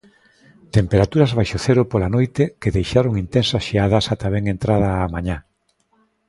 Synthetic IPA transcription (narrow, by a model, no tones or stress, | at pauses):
t̪empeɾat̪uɾɐzβajʃoθeɾʊpolanojt̪ekeðejʃaɾoŋint̪ensɐsʃeaðɐsat̪aβeŋent̪ɾaðɐːmaɲa